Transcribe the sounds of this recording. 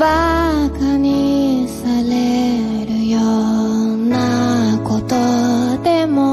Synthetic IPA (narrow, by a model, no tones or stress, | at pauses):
βakaɲ̟isaɾeɾɯ̟jo | nakot̪od̪e̞mo